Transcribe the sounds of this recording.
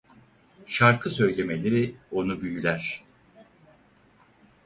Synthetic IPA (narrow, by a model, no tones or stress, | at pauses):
ʃaɾkʰɯsø̞jlʲe̞me̞lʲe̞ɾio̞nubyjylʲæɾ̥